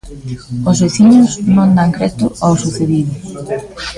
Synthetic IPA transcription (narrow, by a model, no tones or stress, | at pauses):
ozβeθiɲʊsnõnd̪aŋkɾɛt̪ʊawsuθeðiðʊ